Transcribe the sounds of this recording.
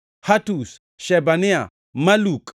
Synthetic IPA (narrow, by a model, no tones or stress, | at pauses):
hatus | ʃɛbania | malukʼ